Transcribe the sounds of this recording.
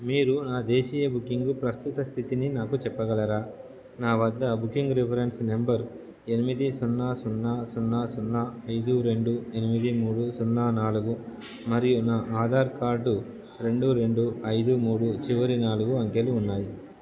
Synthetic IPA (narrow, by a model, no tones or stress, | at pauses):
miːɾunaːd̪eːʃiːjɐbukːiŋɡupɾɐst̪ut̪ɐst̪ʰit̪ininaːkut͡ʃɛpːɐɡɐɭɐɾaː | naːʋɐd̪ːɐbukːiŋɡɾipʰɐɾe̞nsnembɐɾ | e̞nimid̪isɔnːaːsunːaːsunːaːsunːaɐjd̪uɾe̞ɳɖue̞nimid̪imuːɽusunːaːnaːluɡu | mɐɾijunaːʔaːd̪ʱaːɾkaːɾɖu | ɾe̞ɳɖuɾe̞ɳɖuɐjd̪umuːɽut͡ʃiʋɐɾinaːluɡuɐŋkeluːnːaːji